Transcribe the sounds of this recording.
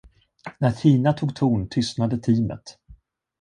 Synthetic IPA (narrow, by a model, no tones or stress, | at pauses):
næɾtʰiːnat̪ʰuːɡt̪ʰuːɳt̪ʰʏst̪nad̪ət̪ʰiːmə̰t̪